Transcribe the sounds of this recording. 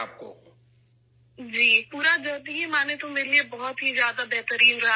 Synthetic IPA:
aːp̚ko̰ː | d͡ʒiːpuːɾad͡ʒɔld̪iɦimãːnet̪õmɪliebɔɦɔt̪ɦizjaːd̪abɛːt̪əɾiːnɾa

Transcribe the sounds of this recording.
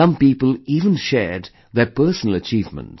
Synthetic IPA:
ʌ̃mpiːpəliːvə̃nʃɛːɹd | ðɛpɜːsənəlˠət͡ʃiːvmə̰̃nts

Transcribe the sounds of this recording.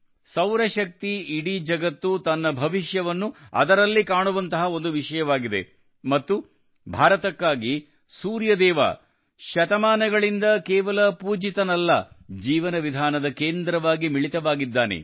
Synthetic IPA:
sɐwɾɐʃɐk̚t̪iːɽid͡ʒɐɡɐt̪ːut̪ɐnːɐbʱɐʋiʃjɐʋɐnːuɐ̰d̪ɐɾɐlːikaːɳuʋɐnt̪ɐɦɐo̞nd̪uʋiʂɐjɐʋaːɡid̪e̞̰ | mɐt̪ːu | bʱaːɾɐt̪ɐkːaːɡi | suːɾjɐd̪ɛːʋa̰ː | ʃɐt̪ɐmaːnɐɡɐɭind̪ɐkɛːʋɐlɐpuːd͡ʒit̪ɐnɐlːɐ | d͡ʒiːʋɐnɐʋid̪ʱaːnɐd̪ɐkeːnd̪ɾɐʋaːɡimiɭit̪ɐʋaːɡid̪ːaːnḛ

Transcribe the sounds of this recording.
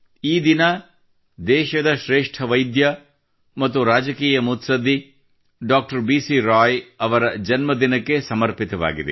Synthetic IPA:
iːd̪inɐ | d̪ɛːʃɐd̪ɐʃɾeːʂʈʰɐʋɐjd̪jɐ | mɐt̪ːuɾaːd͡ʒɐkiːjɐmut̪sɐd̪ʱːi | ɖaːk̚ʈɐɾbiːsiɾaːjɐʋɐɾɐd͡ʒɐnmɐd̪inɐkːe̞sɐmɐɾpit̪ɐʋa̰ːɡid̪ḛ

